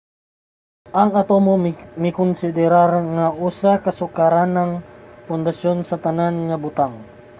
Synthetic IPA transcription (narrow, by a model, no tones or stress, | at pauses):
ʔaŋat̪omomikʊnsid̪ɛɾarŋausakasukaɾanaŋpʊnd̪asjɔnsat̪ananŋabut̪aŋ